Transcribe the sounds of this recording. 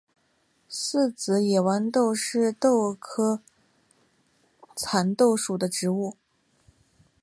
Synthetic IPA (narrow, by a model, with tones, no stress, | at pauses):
s̩˥˩t͡sɹ̩˧˥jɛ˨˩wa˧˥nt̪o˥˧ʊʂɻ̩˥˧t̪o˥˧ʊkʰɤ˥ | t͡sʰa˧˥nt̪o˥˩ʊʂu˨˩d̪ə˦ʈ͡ʂɻ̩˧˥u˥˩